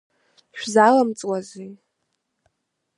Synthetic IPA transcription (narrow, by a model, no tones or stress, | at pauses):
ʃᶣzalamt͡sʼwazij